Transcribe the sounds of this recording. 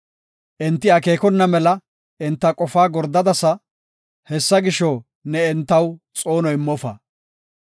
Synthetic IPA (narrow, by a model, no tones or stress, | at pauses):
ʔɪnt̪ːɪɐke̞ːkɔnːɐmɛlɐ | ɪnt̪ːɐkʼɔfaːɡɔɾd̪ɐd̪ɐsɐ | hɛsːɐɡɪʃɔ | nɛɪnt̪ːɐw | t͡sʼo̞ːnɔjɪmːɔfɐ̰